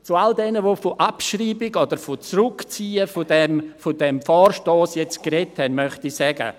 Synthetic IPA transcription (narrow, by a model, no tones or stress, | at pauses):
t͡sualdɛnəʋoːfoʔapʃriːbɪɡɔd̥əɾfot͡sɾʊkt͡siːəfodɛmfod̥ɛmfɔːrʃtoːsjɛt͡stkɾɛthɛnmœχtisɛɡə̰